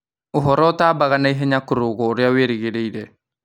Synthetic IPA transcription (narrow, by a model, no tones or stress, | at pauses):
uɦɔɾɔtaːbaɣanaiɦeɲakuɾuɡɔɾjaweɾiɡeɾeiɾe